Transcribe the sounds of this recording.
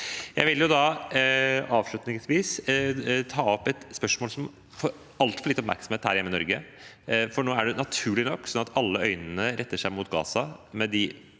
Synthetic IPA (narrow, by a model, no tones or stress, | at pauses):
jæɪʋɪljʊd̪ɑ | ɑːʋʂlɭʉt̪nɪŋsʋiːs | t̪ʰɑːɔpːɛt̪spœʂmoːlsɔm | fɔɾ | ɑlt̪fɔɾɭɪt̪ːɔpmæɾksɔm̩eːt̪hæːɾjɛmːəɪnɔɾɡə | fɔɳoːæɖɛnɑt̪ʰʉːɭɪnɔkːsɔnɑt̪ɑlːəœʏnənəɾʔɛt̪ːəʂæɪmuːt̪ɡɑ̰ːsɑmɛd̪ɪ